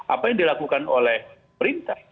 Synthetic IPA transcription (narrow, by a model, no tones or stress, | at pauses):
ʔa̰pajaŋdilakukanolɛh | məɾint̪a